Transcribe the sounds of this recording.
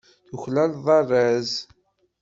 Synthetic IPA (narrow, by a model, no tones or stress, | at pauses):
θuçlælðˤɑrˤːæz